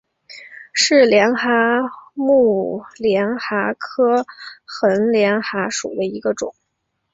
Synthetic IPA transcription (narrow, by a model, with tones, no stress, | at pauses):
ʂɻ̩˥˩ljɛ˧˥nxa˧˥mu˥˩ljɛ˧˥nxa˧˥kʰɤ˥xə˧˥nljɛ˧˥nxa˧˥ʂṵ˨˩d̪ə˦i˧˥ɡə˧ʈ͡ʂʊ̰˨˩˦ŋ